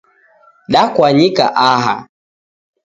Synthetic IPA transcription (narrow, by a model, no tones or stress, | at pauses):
ɗakwaɲika̰ʔaɦa̰